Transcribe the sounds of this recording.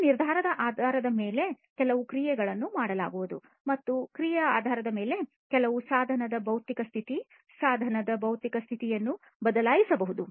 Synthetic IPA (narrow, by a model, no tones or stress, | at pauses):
niɾd̪ʱaːɾɐd̪ɐʔaːd̪ʱaːɾɐd̪ɐmeːle̞ | kɛlɐʋukɾijɛɡɐɭɐnːumaːɽɐla̰ːɡuʋud̪ṵ | mɐt̪ːukɾijɐaːd̪ʱaːɾɐd̪ɐme̞ːle | kɛlɐʋusaːd̪ʱɐnɐd̪ɐbɐwt̪ikɐst̪ʰit̪i | saːd̪ʱɐnɐd̪ɐbɐwt̪ikɐst̪ʰit̪ijɐnːu | bɐd̪ɐlaːjisɐbɐɦud̪u